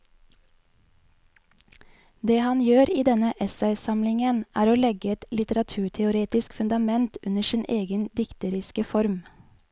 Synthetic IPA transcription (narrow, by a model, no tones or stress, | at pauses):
d̪eːhɑnjøːɾiːd̪ɛnəʔɛsæɪsɑmlɪŋənʔæːɾoːlɛɡəɛt̪lɪt̪əɾɑt̪ʰʉːʈʰɛʊɾeːt̪ɪskfʉnd̪ɑmɛnt̪ʉnəʃɪːnʔeːɡənd̪ɪkt̪əɾɪskəfɔɾm